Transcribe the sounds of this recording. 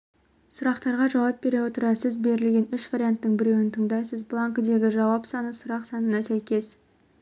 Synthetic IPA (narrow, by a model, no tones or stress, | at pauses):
sʊɾɑqt̪ɑɾʁɑʒɑwɑp̚be̞ɾewo̞t̪əɾɑsɪzbe̞ɾɪlɡʲe̞nʏʃvaɾʲijant̪ːəɴbɪɾe̞wɪnt̪ʰəɴd̪ɑjsəzblˠaŋkd̪e̞ɡʲɪʒɑwɑpsɑnəsʊɾɑqsɑnənɑsæjkʲe̞s